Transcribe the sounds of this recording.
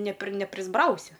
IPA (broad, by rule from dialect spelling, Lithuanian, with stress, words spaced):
nʲɛ pʲrʲɪ nʲɛpʲrʲɪzˈbrɐʊsʲɪ